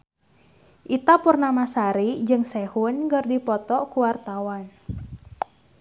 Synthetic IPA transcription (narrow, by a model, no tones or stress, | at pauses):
ʔit̪apurnamasaɾid͡ʒɨŋsɛhʊnɡɨrdipɔt̪ɔkuwart̪awan